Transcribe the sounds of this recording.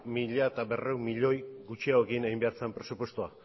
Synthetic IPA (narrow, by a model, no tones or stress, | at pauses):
miʎaet̪abe̞rewmmiʎo̞jɡut͡ʃiaoeɣineimbe̞aɾt͡sempɾe̞supwe̞st̪ua